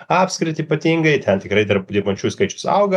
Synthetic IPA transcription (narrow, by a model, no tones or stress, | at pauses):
ɑːpʲskɾʲɪt̪ʲɪipɐt̪ʲiːŋɡɐɪt̪ʲɛnt̪ʲɪkɾɐɪd̪ʲɐrpd̪ʲeːbɐnʲt͡ʃʲuːskɐɪt͡ʃʲʊ̥sɐ̰ʊɡɐ